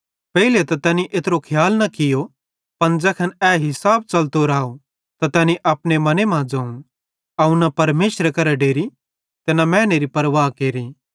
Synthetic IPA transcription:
pɛɦilet̪ɐt̪ɛːniʔeːt̪ɾokʰjaːlnɐkɪjo | pɐnd͡ʒɛːkʰɐnɛɦɪsaːb̚t͡ʃɐlt̪oɾaːo | t̪at̪ɛːniʔɐpnemɐnemãd͡ʒɐ̃ːũ | ɐũnɐpɐɾmeːʃɾəkɐɾɛɖeːɾi | t̪ɛːnamɛ̃ːneːɾipɐɾʋaːkeːɾi

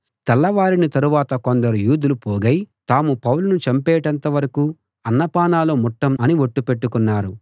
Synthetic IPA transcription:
t̪ɛlːɐʋaːɾinit̪ɐɾuʋaːt̪ɐkond̪ɐɾujuːd̪ulupoːɡɐjt̪aːmupɐwlunut͡ʃɐmpɛːʈɐnt̪ɐʋɐɾɐkuː | ɐnːɐpaːnaːlomɔʈːɐmɐniʋo̞ʈːupe̞ʈːukunːaːɾu

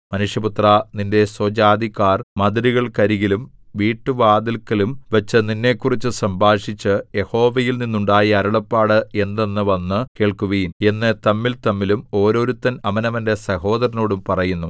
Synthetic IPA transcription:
mɐnuʂjɐput̪raninde̞sod͡ʑaːd̪ikːaːrmɐd̪ɐɾiɣɐɭkɐɾiɣilumʋiːʈːɨʋaːd̪ilkːɐlumʋɐt͡ɕːɨninːe̞ːkːurit͡ɕːɨsɐmbʱaːʂit͡ɕːɨje̞ho̞ːʋɐjilninːuɳɖaːjiɐɾuɭɐpːaːɽɨe̞nd̪e̞nːɨʋɐnːɨke̞ːɭkuʋɐjine̞nːet̪ɐmːilt̪ɐmːilumo̞ːɾo̞ːɾut̪ːɐnɐmɐnɐʋɐnde̞sɐho̞ːd̪ɐɾɐnoːɽumpɐrɐjunːu

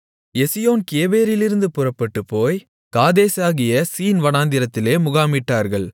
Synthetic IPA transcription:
ɛsɪjoːnkeːʋeːɾɪlɪɾɯnd̪ɯpɯrɐpːɐʈːɯpːoːj | kaːðeːsaːɣɪjɐsiːnʋɐnaːnd̪ɪɾɐt̪ːɪleːmʊɣaːmɪʈːaːɾɣɐɭ

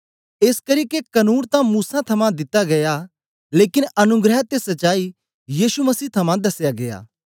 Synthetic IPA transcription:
eːskɐɾiːkekɐnuːnt̪ãmuːsãt̪ʰɐmãd̪ɪt̪ːaɡɐja | leːkɪnɐnʊɡɾɛɦt̪esɐtːʃaːi | jiːsumɐsiːt̪ʰɐmãd̪ɐsjaɡɐja̰ː

